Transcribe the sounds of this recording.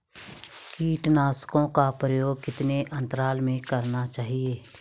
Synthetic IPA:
kiːʈnaːskõkapɾəjoːɡ̚kɪt̪neʔə̃nt̪əɾaːlmẽkəɾnat͡ʃaːɦieː

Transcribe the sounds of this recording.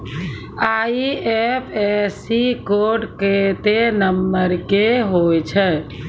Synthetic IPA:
aiepʰesikoʈket̪enəmːəɾkeɦojt͡ʃʰɛ

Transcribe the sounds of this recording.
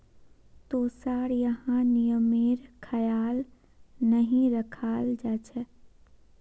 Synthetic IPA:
t̪oːsaːɾjəɦãnijəmeːɾkʰəjaːl | nəɦĩɾəkʰaːld͡ʒaːt͡ʃʰɛ

